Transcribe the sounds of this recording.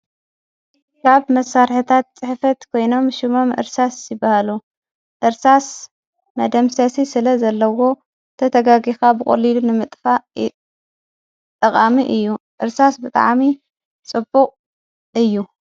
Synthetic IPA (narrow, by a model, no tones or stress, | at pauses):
kʰaβmɐsːaɾħɨt̪ʰat̪̚t͡sʼɨħfɐt̪kʰo̞jno̞mʃɪmo̞mʔɨ̰ɾsasjɪbːahalu | ʔɨɾsas | mɐd̪ɐmsɐsisɨlɐzɐlːɐwo̞ | t̪ʰɐt̪ʰɐɡaɡixabɨkʼo̰lilunɨmɨt̪ʼfa | t̪ʼːɐqʼamiʔɨjːuʔɨɾsasbɨt̪ʼa̰ʕmi | t͡sʼɨbːuqʼ | ɨjːu